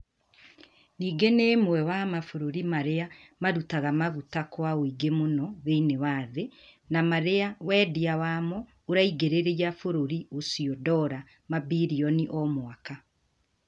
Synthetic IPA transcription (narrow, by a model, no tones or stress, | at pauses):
niːɡeneːmwɛwamafoɾoɾimaɾeamaɾutaɣamaɣutakwaoiɡemonɔðeinewaðe | namaɾeawɛːdiawaːmɔ | oɾaiɡeɾeɾejafoɾoɾiosiɔdɔɾa | mabiɾiɔniʔɔmwaka